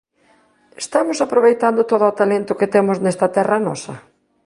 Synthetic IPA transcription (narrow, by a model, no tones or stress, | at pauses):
est̪amʊsapɾoβejt̪and̪ʊt̪oðʊat̪alent̪ʊkɪt̪emʊznɛst̪ɐt̪ɛrɐnɔsɐ